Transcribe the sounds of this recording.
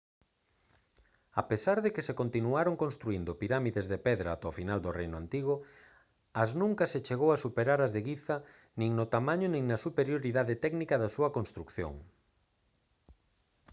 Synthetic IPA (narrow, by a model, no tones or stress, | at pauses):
apesaɾðekesekont̪inuaɾoŋkõnst̪ɾuind̪ʊpiɾamiðezðepɛðɾaːt̪ofinald̪ʊrejnʊant̪iɣ̞ʊ | ɐznũŋkɐset͡ʃeɣowasupeɾaɾɐzðeɣiθɐ | nĩŋnʊt̪amãɲʊnĩŋnɐsupeɾjoɾiðaðɪt̪ɛɡnikɐðɐsuɐkonst̪ɾukθjo̰ŋ